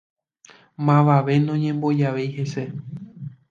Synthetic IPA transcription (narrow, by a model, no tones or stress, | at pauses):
mãʋaʋe̞nõɲẽ̞mbo̞d͡ʒaʋe̞jhe̞se̞